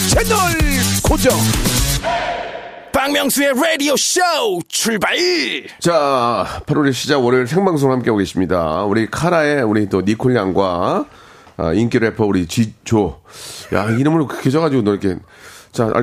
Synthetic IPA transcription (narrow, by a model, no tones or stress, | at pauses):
t͡ɕʰenoɭkod͡ʑʌŋ | paŋmjʌŋsueɾedioɕot͡ɕʰuɭbai | t͡ɕapʰaɾuɾiɕʰid͡ʑaʌɾɯɭs̬ʰe̞ŋbaŋs̬ʰoŋɯɭhamk͈e̞boɡe̞ɕ͈imɲida̰uɾikʰaɾaeuɾit͈onikʰoɭːaŋɡwa | a̰ink͈iɾepʰʌuɾit͡ɕit͡ɕoja̰iɾɯmuɯnkɯ̥kʰed͡ʑʌɣad͡ʑiɡonoɾkʰet͡ɕa̰